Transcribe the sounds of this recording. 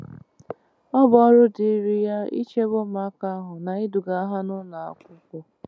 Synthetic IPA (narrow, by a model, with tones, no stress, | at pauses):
ɔ˦bɾʊ˦dɪ˨˦ɾi˦ja˦ḭ˦t͡ʃe˦bʊ˦ma˦ka˦a˦ɦʊ˨na˨i˦du˨ɡa˨a˦ɦa˦nʊ˦na˨a̰˦kʷʊ˦kʊ˦